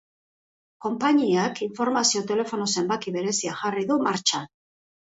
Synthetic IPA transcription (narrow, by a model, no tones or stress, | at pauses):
ko̞mpaɲiakiɱfo̞ɾmasio̞t̪e̞le̞fo̞no̞se̞mbakiβe̞ɾe̞siaʝariðumaɾt͡ʃan